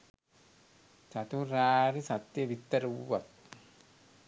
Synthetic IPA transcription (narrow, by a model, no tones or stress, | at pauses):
sɐt̪uɾaːɾisɐt̪ːjɐʋit̪ːɐɾuwːɐt̪